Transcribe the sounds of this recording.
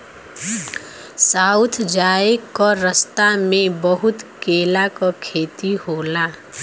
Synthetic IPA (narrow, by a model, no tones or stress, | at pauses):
saːʊt̪ʰd͡ʒaːekɔɾəst̪amẽbəɦʊt̪keːlakokʰeːt̪iɦoːla